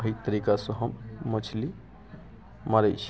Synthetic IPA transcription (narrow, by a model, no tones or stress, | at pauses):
ɦit̪əɾikasə̃ɦəmːət͡ʃʰli | maɾət͡ʃʰ